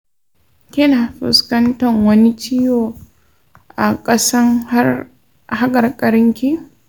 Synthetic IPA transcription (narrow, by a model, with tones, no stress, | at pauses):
kʲɪ˦naː˨ɸɪ̰˨skɐ˦ntɐ˨ŋwɐ˦ni˦t͡ʃi˦joː˨ | ʔa˨kʼɐ˦sɐ˦ŋa˦ | ha˦ɡʼɐ˨rkʼɐ˨ɾɪ˦ŋkʲi˦